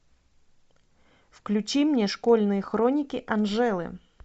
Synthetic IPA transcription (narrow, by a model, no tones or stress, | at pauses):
fklʲʉt͡ɕimnʲeʂkolʲnɨjəxɾonʲɪkʲɪʔɐnʐɛlˠɨ̰